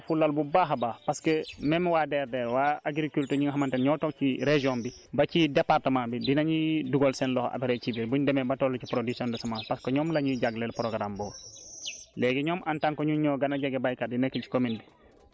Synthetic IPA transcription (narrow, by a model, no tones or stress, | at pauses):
fulːalbubaːɦabaːpaskemɛmwaːdɛɾdɛːɾwaaɡɾikultəɲiŋaɦamantɛnɲɔːtɔk̚t͡ʃiɾeʒiɔmbi | bacidɛpaɾtəmãːbidinaɲiduɡɔlsɛnlɔha̰biɾɛt͡ʃibɛbuɲdɛmɛbatɔːlːut͡ʃipɾodisɔndɐsamapaskɔɲɔːmlaɲiɟaɡlɛlpɾoɡɾambɔ | lɛɡɛɲɔːmʔantaŋkɔɲuɲɔːɡanaɟaɡɛbajkaɾdinɛkːii̥kominbi